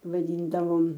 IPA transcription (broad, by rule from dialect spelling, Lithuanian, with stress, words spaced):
ʋɐˈdʲiːndɐʋoːm